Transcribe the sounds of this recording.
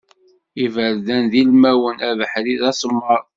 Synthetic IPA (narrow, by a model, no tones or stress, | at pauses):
ivəɾðænðilmæwənævəħɾiðæsˤmːəɾˤ